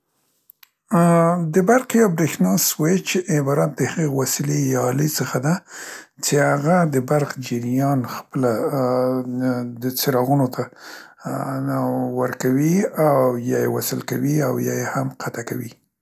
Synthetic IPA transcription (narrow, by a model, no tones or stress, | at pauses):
d̪əbaɾqjawbɾexnɑswet͡ʃʔːbɑɾɑt̪̚d̪əhaɣewasilejɑlesəxad̪at͡ʃehaɣad̪əbaɾqd͡ʒɪɾijɑnxpəla | d̪ət͡seɾɑɣunot̪ʰa | wəɾkawiawjɑjewasəlkawiawjɑ̰jehamqʰat̪akawi